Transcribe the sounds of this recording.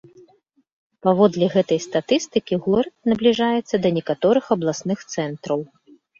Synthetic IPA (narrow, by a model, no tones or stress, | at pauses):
pavɔd̪lʲiɣɛt̪ɐjst̪at̪ɨst̪ɨkʲiɣɔɾɐt̪̚nɐblʲiʐajɛt̪sːɐd̪ɐnʲɛkat̪ɔɾɨxɐblˠasnɨxt̪sɛnt̪ɾɐw